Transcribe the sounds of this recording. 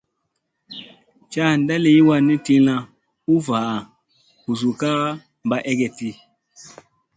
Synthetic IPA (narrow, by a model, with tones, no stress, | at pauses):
t͡ʃa˦˨n˦da˦le˦i˦wa˦˨ni˦ti˦lã˦ | u˦va˨ | ku˨zu˨ka˦ | mba˦ʔɛ˦ɡɛ˨ti˦